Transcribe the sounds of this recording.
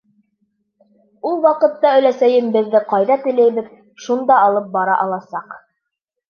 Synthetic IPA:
ulˠwɑqɤ̆t̪ːɑɵ̆læsæjɘmbɘ̆ðːɘqɑjðɑt̪ɘ̆læjβɘð | ʃund̪ɑːlˠɤp̚bɑɾɑ̰ʔɑlˠɑsɑq

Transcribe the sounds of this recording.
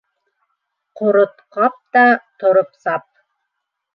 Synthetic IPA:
qoɾŏt̪qɑp̚t̪ɑt̪ŏɾopsɑp̚

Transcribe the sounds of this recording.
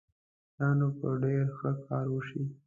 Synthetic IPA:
jɑnopəɖeɾxəkɑɾwəʃi

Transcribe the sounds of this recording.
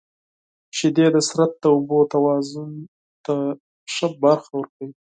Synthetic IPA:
ʃɪd̪ed̪əsɾat̪̚d̪əobot̪awɑzʊn | t̪a | ʂəbaɾxawəɾkawi

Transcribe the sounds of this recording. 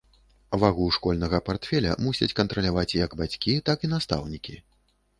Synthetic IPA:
vaɣuʂkɔlʲnɐɣɐpart̪fʲɛlʲɐ̰musʲɐt͡sʲkɐnt̪ɾɐlʲavat͡sʲjɐɡbat͡sʲkʲit̪akinast̪a̰wnʲikʲi

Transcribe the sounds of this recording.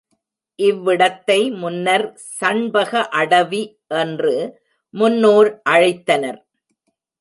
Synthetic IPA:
ʔɪʋːɪɽɐt̪ːɐɪmʊnːɐɾ | sɐɳbɐɣɐʔɐɽɐʋi | ʔɛndrɯ | mʊnːoːɾʔɐɻɐɪt̪ːɐnɐɾ

